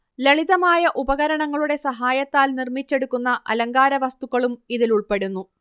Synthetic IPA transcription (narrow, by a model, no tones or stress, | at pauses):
leɭiðɐmaːjɐʔubɐɣɐɾɐɳɐŋːɐɭuɽe̞sɐɦaːjɐt̪ːaːlnirmit͡ɕːe̞ɽukːunːɐʔɐ̰lɐŋɡaːɾɐʋɐst̪uɣɐɭumiðiluɭpe̞ɽunːu